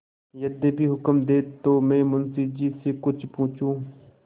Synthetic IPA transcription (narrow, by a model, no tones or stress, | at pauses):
jəd̪eːbʱiːɦʊkəmd̪eːt̪ːoːmɛ̃ːmʊnsiːd͡ʒisekʊt͡ʃʰpũːt͡ʃũː